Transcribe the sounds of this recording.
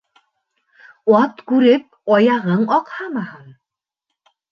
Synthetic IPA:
ɑt̪kʉɾɘp̚ɒjɑʁɤɴɒqhɑmɑhɤɴ

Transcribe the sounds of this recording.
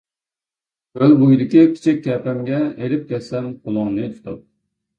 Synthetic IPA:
ølbujd̪ɪkʲikʲʰi̥t͡ʃʰikʲkʲːɛpɛmɡʲɛelɪp̚kʲɛssɛmqʰolˠɑŋnɨt̪ʰu̥t̪ʰup̚

